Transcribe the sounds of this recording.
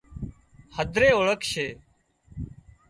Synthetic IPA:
həd̪ʱɾeːoːɭəkʰʃeː

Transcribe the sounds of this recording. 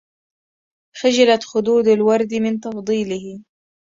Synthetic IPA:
xaʒalat̪xʊd̪uːd̪alwɑɾˤd̪mɪnt̪ɑfd̪ˤiːlɪh

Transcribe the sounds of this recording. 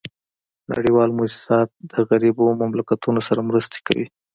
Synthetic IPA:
na̰ɽiwɑlmʊsɪ̥sɑt̪̚d̪əɣaɾibomamlakat̪unosaɾamɾəst̪e̥kawḭ

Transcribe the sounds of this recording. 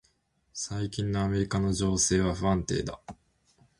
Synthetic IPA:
saikʲĩnːo̞ame̞ɾʲikano̞ʑo̞ːse̞ːβ̞aɸɯ̟ãnt̪e̞̰ːd̪a̰

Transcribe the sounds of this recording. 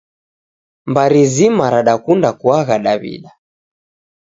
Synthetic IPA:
mbaɾizimaɾaɗakundakuaɣaɗaβḭɗa

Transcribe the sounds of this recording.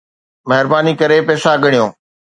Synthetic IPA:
mɐɦɪɾbaːnikɐɾepɛːsaɡəɽ̃ijõː

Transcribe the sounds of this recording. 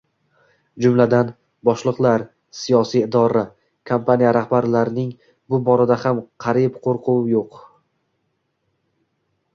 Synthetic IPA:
d͡ʒʊmlad̪an | bɒʃlˠɨqlˠaɾ | sijɒsijɪd̪ɒɾa | kʰampʰanijaɾahbaɾlaɾɪnɪŋ | bʊbɒɾad̪ahamqʰɑɾipqʰoɾqʰuwjoq

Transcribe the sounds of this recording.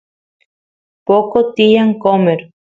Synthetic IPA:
pokot̪ijaŋkomeɾ

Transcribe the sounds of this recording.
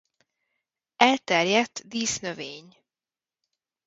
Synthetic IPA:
ɛlt̪ɛrjɛt̪ːd̪iːsnøveːɲ

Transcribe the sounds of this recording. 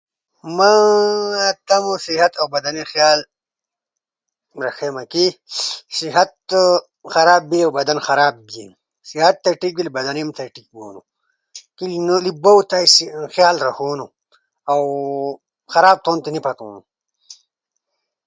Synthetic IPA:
mã | t̪ɐmusiɦɐt̪awbɐd̪ɐnixjaːl | ɾɐxemakisiɦɐt̪ | xɐɾaːbːiawbɐd̪ɐnxɐɾaːb̚bjḛ | siɦɐt̪ːɐʈik̚bilibɐd̪ɐnemt̪ʰɐʈik̚bo̰ːnṵ | kilnlibowt̪aisxjaːlɾɐhoːnu | aw | xɐɾaːb̚t̪oːnt̪enipʰɐt̪o̰ːnu

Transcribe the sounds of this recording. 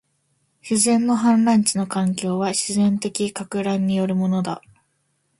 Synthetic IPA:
ɕizẽ̞nːo̞ɦãnɾãɲ̟t͡ɕino̞kãŋkʲo̞ːβaɕizẽ̞nt̪e̞kʲikakɯ̟ɾãɲ̟ːijo̞ɾɯ̟mo̞no̞d̪a̰

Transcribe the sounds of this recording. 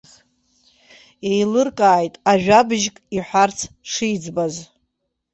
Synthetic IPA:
χ | ejlɨrkʼaːjtʼaʒᶣabɨʒkʼiħʷart͡sʰ | ʂijd͡zbaz

